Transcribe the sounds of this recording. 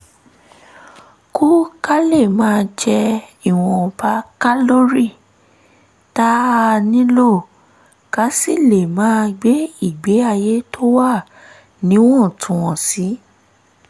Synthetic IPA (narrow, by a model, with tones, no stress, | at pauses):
ku˦ka˦le˦˨mãː˨˦d͡ʒɛ˧i˨w̃ɔ̃˧pa˧˦ka˦lo˦ɾi˦˨ | ta˦a˧nĩ˦lo˦˨ | ka˨˦si˦˨le˨mãː˦ɡ͡be˦i˦˨ɡ͡be˨˦a˧je˦to˦wa˦˨ | nĩ˨˦w̃ɔ̃˦˨tʰũ˨wɔ̃˨si˨˦